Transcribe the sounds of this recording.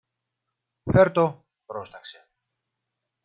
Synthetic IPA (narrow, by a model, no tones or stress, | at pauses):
feɾt̪o | pɾost̪ɐkse̞